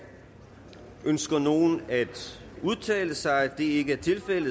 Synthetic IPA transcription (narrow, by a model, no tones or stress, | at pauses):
ʔønsɡ̥ɐno̝ːn̩æd̥uðˠt͡sʰɛ̰ːləsɑ̈ɪæd̥e̝e̝ɡ̥əæɐt͡sʰe̝lfel̰̩